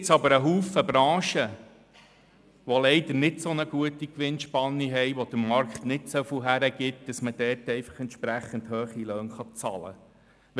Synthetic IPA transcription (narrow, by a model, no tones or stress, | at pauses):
t͡sɑbəɾəɦuːfəbɾɑ̃ːʃə | ʋɔlɛɪd̪əɾnɪdsonəɡ̥uətikʋɪnʃpɑnːiɦɛjʋɔd̥̪əmɑɾkχtnɪtsofuɦæɾəɡ̥ɪt̚d̥əsməd̥ɛːtɛɪfə̥χɛnt̪ʃpɾæχːəndhøːχiløːnχɑt͡sɑ̰lə̰